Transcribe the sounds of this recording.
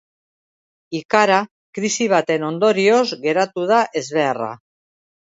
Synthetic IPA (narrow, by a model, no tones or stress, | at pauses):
ikaɾa | kɾisiβ̞at̪e̞no̞nd̪o̞ɾio̞zɣe̞ɾat̪uð̞aʔe̞zβe̞ara̰